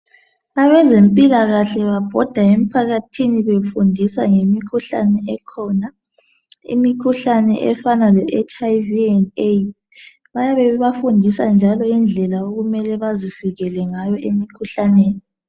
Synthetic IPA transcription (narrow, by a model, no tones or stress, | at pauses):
aβɛzempʼilaɣaɬɛβab̥ʱɔd̥ʱaem̩pʰaɣatʰiniβefundʱisaŋemikʰuɬa̰nɛɛkʰɔna | ḭmikʰuɬanɛ̰ʔɛfanalɛʔɛt͡ʃʼaiviɛnet | βajaβɛβafundʱisand͡ʒʱalɔind͡ɮʱɛlaoɣumɛlɛβazifiɣɛlɛŋajɔʔemikʰuɬaneːni